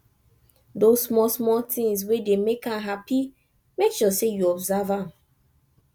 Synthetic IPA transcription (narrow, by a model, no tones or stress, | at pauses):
dossmɔsmɔtĩŋs̬wedemekãɦapʰi | mekʃɔsejuɔbzavãm